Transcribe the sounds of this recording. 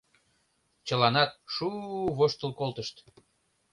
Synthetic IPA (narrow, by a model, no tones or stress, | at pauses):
t͡ɕə̆lɑnɑt̪̚ʃuβoʃt̪əlˠkolˠt̪əʃt̪